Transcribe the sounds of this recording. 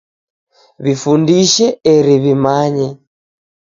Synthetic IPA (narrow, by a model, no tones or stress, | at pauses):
βifundiʃɛɛɾiβimaɲɛ